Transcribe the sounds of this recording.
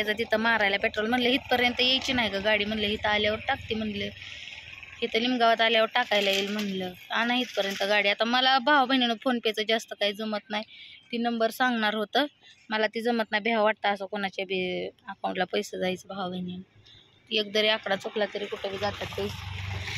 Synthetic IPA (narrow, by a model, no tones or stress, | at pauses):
at͡sat̪̬it̪ʰəmaɾajlapeʈɾɔlm̤əɳləɦit̪̚pəɾjənt̪əjejt͡ɕinaɦikaɡaɽiːm̤əɳləɦit̪aljaʋəɾʈak̚t̪iːm̤əɳlə | hit̪əlimɡaʋət̪aljaʋəɾʈakajlajilm̤əɳləanãɦiːt̪̚pəɾjənt̪əɡaɽiat̪aməlabʱaʋbʱəninəfonpat͡səd͡ʑast̪əkaɦiːd͡zəmət̪najt̪iːnəmbəɾsaŋɡɳaɾɦot̪əməlat̪id͡zəmət̪najbʱeɦaʋaʈ̚t̪aəsəkoɳat͡ɕabʱiəkawũɳʈlapəjsəd͡zait͡sbʱaʋbʱənin | jek̚d̪əɾeakɽat͡sokʰlat̪əɾikuʈʰebʱiːɡʱat̪at̪kəi